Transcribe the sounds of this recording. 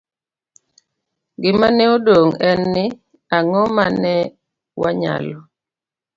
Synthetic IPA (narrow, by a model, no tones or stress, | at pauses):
ɡɪmanɛodoŋɛnːɪ | aŋɔmanɛ | waɲa̰lɔ